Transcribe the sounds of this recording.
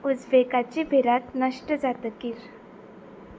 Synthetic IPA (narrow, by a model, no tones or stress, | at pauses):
ud͡zʋekat͡ɕibʱeɾat̪nəʂʈəd͡zat̪əkiːɾ